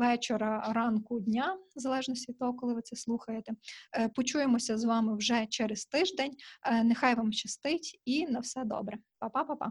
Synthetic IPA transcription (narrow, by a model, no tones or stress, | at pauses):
ʋɛt͡ʃeɾɐɾɑnkʊdʲnʲazɐlˠɛʒnɔsʲtʲʋʲid̪̚ʲt̪ɔɦɔkɔlˠɪʋɪt̪sɛslˠuxɐjet̪ɛpɔt͡ʃujemɔsʲɐzʋɑmɪwʒɛt͡ʃɛɾɛst̪ɪʒd̪enʲnexɑjʋɑmt͡ʃɐst̪ɪtʲinɐwsɛd̪ɔ̰bɾɛpɐpɑpɑpɑ̰